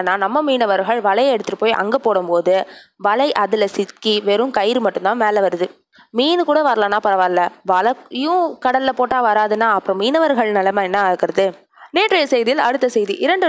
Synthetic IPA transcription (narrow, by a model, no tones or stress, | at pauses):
nːaːnɐmːɐmiːnɐʋɐɾɣɐɭʋɐlɐjɐɛɽɯt̪ːɯʈːɯpːoːjʔɐ̰ŋɡɐpoːɽɯmpoːðɯʋɐlɐɪʔɐðɯlɐsɪt̪̚kiʋɛɾɯmkɐjɾɯmɐʈːɯ̃mnt̪ãːmeːlɐʋɐɾɯðɯ | miːnɯkuːɽɐʋɐɾɐlaːnːaːpɐɾɐʋaːɾlɐʋɐlɐɪjʊ̃kɐɽɐlɪlɐpoːʈːaːʋɐɾaːðɯnaːɐpːɯɾɔ̃miːnɐʋɐɾɣɐɭnɪlɐmaːɛnːaɾɯkːɯɾɐðɯ | neːʈrɐjɐsɛjðɪjɪlɐɽɯt̪ːɐsɛjðiʔɪɾɐɳɖɯ